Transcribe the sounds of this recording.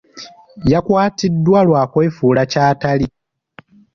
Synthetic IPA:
jakwaːtidːwalwaːkwe̞ːfuːlacaːtali

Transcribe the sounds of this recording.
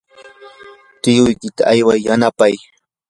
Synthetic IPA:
t̪ɪjʊjkɪt̪aʔajwajːanapaj

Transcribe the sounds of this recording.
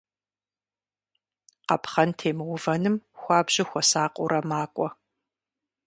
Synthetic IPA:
qɐpχɐntʰeːmɨwʊvɐnɨmxʷɑːbʑɪxʷɔsaːqʷʼʊɾʔɐmaːkʷʼɔ

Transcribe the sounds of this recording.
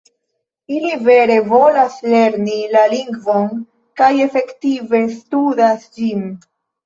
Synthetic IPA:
ilive̞ɾe̞vo̞lasle̞ɾnilaliŋɡvo̞n | kaje̞fe̞ktive̞studasd͡ʒin

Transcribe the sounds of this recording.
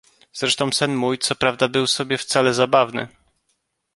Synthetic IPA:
z̥ɾɛʂt̪ɔ̃w̃sɛnmujt̪sɔpɾavd̪abɘwsɔbʲjɛft̪salɛzabavnɘ̰

